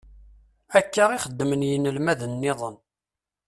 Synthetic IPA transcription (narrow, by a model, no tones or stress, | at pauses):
ækːaʁɪχəd̪ːmənjənəlmæðənːɪðˤən